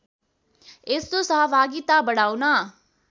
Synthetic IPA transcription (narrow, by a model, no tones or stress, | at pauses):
ɪst̪õsaːʋaːɡit̪aːbəɽaːunaː